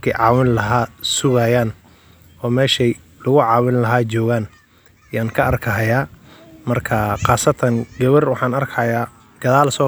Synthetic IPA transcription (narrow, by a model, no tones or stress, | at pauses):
kʰɛʕɑːwɪnlɐɦaːsʊɣɐjaːn | ɔːmɛːʃɛj | lʊɣʊʕɑːwɪnlɐɦaːt͡ʃɔːɣaːn | ɪjaːnkʰɐʔɐrkʰɐɦɐjaːmɐrkʰɐqɑːsɐt̪ʰɐnɡɐβɐrwɑħɑːnɐrkʰɐjaː | ɡ̥ɐðaːlsɔː